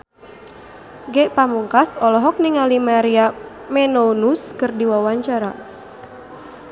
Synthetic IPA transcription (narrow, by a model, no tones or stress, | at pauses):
ɡɛʔpamuŋkasɔlɔɦɔk̚niŋalimaɾia | mɛnonuskɨrdiwawaɲt͡ʃaɾa̰